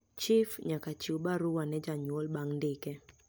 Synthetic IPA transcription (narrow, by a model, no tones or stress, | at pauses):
t͡ʃifɲakat͡ʃiubaɾuwanɛd͡ʒaɲwɔlbaŋndɪkɛ